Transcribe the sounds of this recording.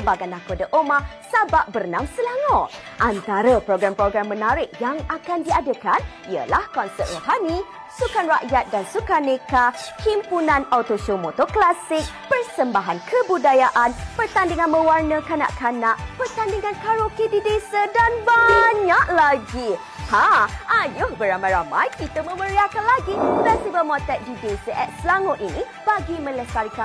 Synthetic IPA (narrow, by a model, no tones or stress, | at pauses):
baɡanakodəʔoma | sabap̚bərnãmsəlaŋaʔ | ʔant̪aɾəpɾoɡɾampɾoɡɾamːə̃naɾɪk̚jaŋakandiadəkan | iə̰lahkɔnsət̪̚roɦanĩ | sukanraʔjat̪̚dansukanekakimpunãnawt̪oʃomot̪oklasɪk̚pərsəmbaɦankʰəbudajaʔanpərt̪andiŋanmə̃warnəkana̰ʔkanaʔpərt̪andiŋankaɾokedidesadanbaɲaʔlaɡi | hãajʊhbəɾamajɾamajkit̪əmə̃məɾiakanlaɡifɛst̪ivəlmɔt̪ɛt̪̚didesaʔɛt̪̚səlaŋʊt̪ini | b̥aɡimə̃ləsaɾika